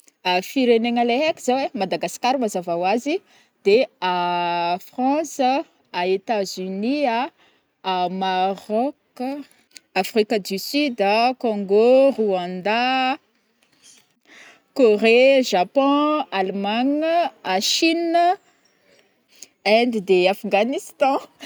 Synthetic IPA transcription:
afiɾeneŋaleɦekʲiz̥awemad̪aɡasi̥kaɾumazavawazi | d̪̥eafʁɑ̃sə | aet̪azynia | amaʁɔk | afʁikəd̪ysyd̪akɔ̃ŋɡoʁuãnd̪a | koʁeʒapɔ̃almaɲaʃinə | ɛnd̪id̪eafɡanist̪ɑ̃

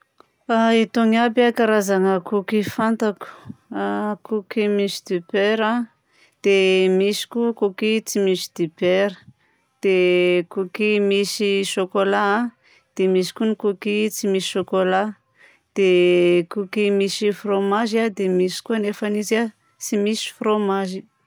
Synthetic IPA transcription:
ait̪oŋabakaɾazaŋəkukifant̪aku̥akukimisi̥d̪̥ipeɾa | d̪̥emisi̥kukukit͡simisi̥d̪̥ipeɾə̥ | d̪̥ekukimisiʃokola | d̪̥emisi̥kunikukit͡simisi̥ʃokola | d̪̥ekukimisifromaʒiad̪emisi̥kuanefaniza | t͡simisi̥fromaʒi

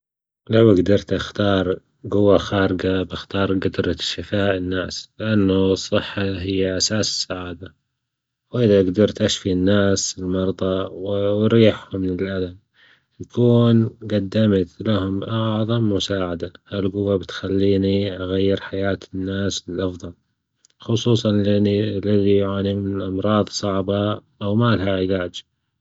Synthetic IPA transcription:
lawɪɡd̪ɑɾˤt̪ʔaxt̪ɑːɾˤ | ɡʊwːaxaːɾɪɡabɪxt̪ɑːɾˤɡad̪ɾʃɪfaːʔɪnːaːslɪʔanːasˤːɨħːaɦɪjːaʔasaːsɪ̥sːaʕaːd̪a | wʔɪðaɡd̪ɑɾˤt̪ʔaʃfinːaːsɪlmɑɾˤðˤɑwɾiːħhʊmːnɪlʔalan | jakuːnɡad̪ːamt̪laɦʊmʔɑʕðˤɑmmʊsaːʕad̪ahalɡʊwːabɪt̪xalːiːniʔaɣajːɪɾħajaːt̪ɪnːaːsɪlʔɑfðˤɑl | xʊsˤuːsˤɑnlːɪðijʕaːnimɪnɪʔɑmɾˤɑːðˤsˤɑʕbɑʔawmaːlɦaʕɪlaːd͡ʒ

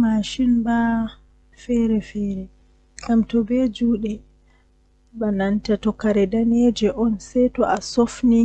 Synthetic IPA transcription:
maʃinba | fɛɾɛfɛːɾɛ | ɡamtɔbɛd͡ʒuːɗɛ | banantatɔkaɾɛdaned͡ʒɛʔɔnsɛjtɔʔasofni

